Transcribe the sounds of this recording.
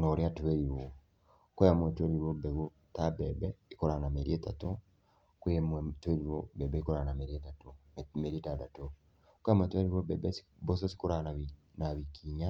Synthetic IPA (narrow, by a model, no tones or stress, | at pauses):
nɔɾiatuweɾiwo | kwɛjamwɛtweɾiɾobɛβo | tabɛbɛikɔɾanameɾietato | kwemɛtweɾiɾobɛbɛikɔɾanameɾietatommeɾitadato | kwamwɛtweɾiɾobɛbɛs | bos̬ɔsi̥koɾananaβikiɲa